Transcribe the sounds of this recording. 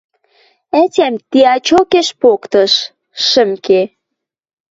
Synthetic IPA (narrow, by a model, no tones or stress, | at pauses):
ætʲæmt̪iɑt͡ɕokeʃpokt̪ɤʃ | ʃə̆mke